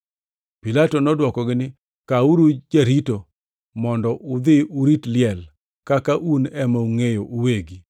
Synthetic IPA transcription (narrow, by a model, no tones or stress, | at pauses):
pilatɔnɔdwɔkɔɡɪnɪ | kauɾud͡ʒaɾito | mɔndɔʔʊd̪ɪʊɾitlɪɛl | kakaʔunɛmauŋejoʔuweɡi